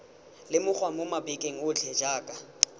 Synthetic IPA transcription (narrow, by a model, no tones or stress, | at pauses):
lɪmʊk͡xwamʊmabɛkʼeŋ̩ʊt͡ɬʰɛd͡ʒaːkʼa